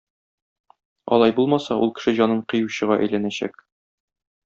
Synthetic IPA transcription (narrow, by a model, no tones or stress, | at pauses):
ɒ̰lˠɑjbulˠmɑsɑʔṵlˠkɘ̥̆ʃɘʑɒnɤɴqɤ̆juɕɤ̆ʁɑʔæ̰jlænæɕæ̰k